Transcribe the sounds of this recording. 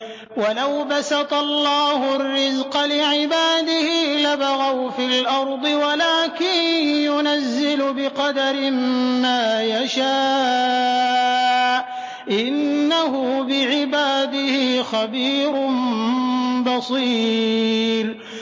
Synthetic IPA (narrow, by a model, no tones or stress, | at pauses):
walawbasɑt̪ɑlːɑːhʊrːɪzqɑlɪʕɪbaːd̪ɪhiːlabaɣawfilʔɑɾˤd̪ˤɨwalaːkɪnjʊnazːɪlʊbɪqɑd̪aɾɪmmaːjaʃaː | ʔɪnːahʊbɪʕɪbaːd̪ɪhiːxabiːɾʊm | bɑsˤiː | l